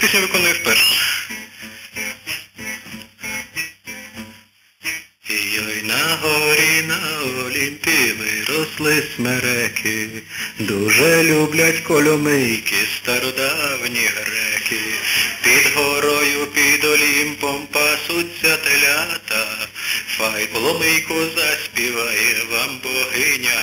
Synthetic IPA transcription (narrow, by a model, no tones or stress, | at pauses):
pʲisʲnʲɐʋɪkɔnʊjʊwpɛrʃ | ijɔjnɐɦɔɔɾʲinɐɔlʲimpʲilˠɪɾɔslˠɪsmɛɾɛkʰɪd̪uʒɛlʲublʲɐtʲkɔlʲɔmɪjkɪst̪ɐɾɔd̪ɑwnʲiɦɾɛkɪpʲid̪ɦɔɾɔjʊpʲid̪ɔlʲimpɔmpɑsʊtʲːɐt̪elʲat̪ɐ | fɑjplˠɔmɪjkʊzɐsʲpʲiʋɑjɛʋɑmbɔɦɪnʲɐ